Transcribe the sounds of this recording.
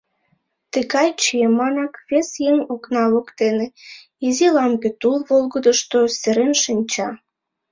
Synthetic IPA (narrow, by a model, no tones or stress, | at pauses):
t̪əɣɑjt͡ɕiemɑnɑkβesjeŋoknɑβokt̪ene | izilɑmɡet̪ulβolɣəd̪əʃt̪oseɾenʃinʲt͡ɕɑ